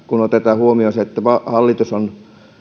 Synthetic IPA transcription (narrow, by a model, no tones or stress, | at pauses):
kunot̪et̪ɑːhuomioˑseet̪ːæʋɑhɑlːit̪uson